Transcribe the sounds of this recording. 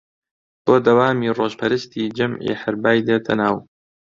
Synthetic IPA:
b̥oːd̪ɐwaːmiːroːʒpʰɐɾɨst̪ʰiːd͡ʒɐmʕḭħɪɾbaːjd̪et̪ʰɐ̰naːw

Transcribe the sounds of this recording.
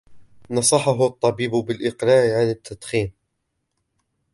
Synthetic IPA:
nɑsˤɑħɑɦʊɑt̪ˤːɑbiːbbɪlʔɪqɾaːʕʕanɪt̪ʰːad̪xiːm

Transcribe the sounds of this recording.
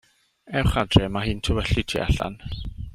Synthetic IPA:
ɛwχadrɛmaɦɨːntʰʊwɛɬitʰḭːʔa̰ɬa̰n

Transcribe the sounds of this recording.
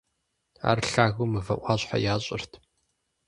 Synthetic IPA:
a̰ːrɬaːɣumɨvɐʔʷʼɑːɕħa̰jaːɕʼɪrtʰ

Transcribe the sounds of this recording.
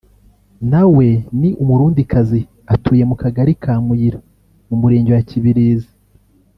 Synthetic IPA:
nawe̞niʔumuɾuːndikʰazi | atʰuːje̞mukaɡaɾikʰaːmujiɾa | mumuɾeːɲɟowaciβiɾiːzi

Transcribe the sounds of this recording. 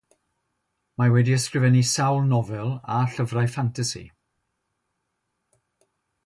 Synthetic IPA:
mawɛdiəskrɪvɛnisawlˠnɔvɛlˠaɬəvrajfantʰasḭ

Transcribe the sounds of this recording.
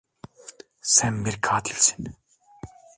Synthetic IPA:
sɛmːiɾkʰaːt̪ʰilsi̥n

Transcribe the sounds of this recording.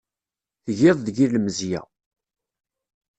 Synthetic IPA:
θəʝɪðˤðəʝilməzjæ̰

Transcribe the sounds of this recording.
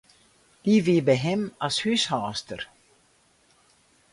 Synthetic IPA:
d̪̥iviːbəɦɛmashyshɑːst̪əɾ

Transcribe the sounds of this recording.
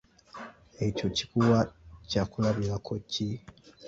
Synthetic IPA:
eco̞ci̥kuwacakulaβilakʰocʰi

